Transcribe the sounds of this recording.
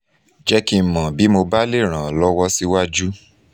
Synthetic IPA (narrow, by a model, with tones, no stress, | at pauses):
d͡ʒɛ˦ki˧˨mã˨bi˨˦mo˧ba˦le˦˨ɾ̃ã˨lɔ˦wɔ˦si˧wa˦d͡ʒu˦